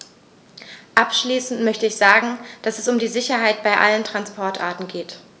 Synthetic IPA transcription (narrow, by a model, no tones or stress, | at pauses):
ʔapʃliːsn̩tmœçtəɪçz̥aːɡŋ̩d̥asɛsʊmdiːzɪçɐɦaɪt̚b̥aɪʔa̰ləntʁ̥anspʰɔɐtʔa̰ːɐtn̩ɡeːt